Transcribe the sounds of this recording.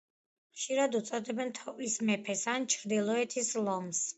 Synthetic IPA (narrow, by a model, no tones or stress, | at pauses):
χʃiɾad̪ut̪sʼɔd̪ɛbɛnt̪ʰɔplismɛpʰɛsant͡ʃʰɾd̪ilˠɔɛt̪ʰislˠɔms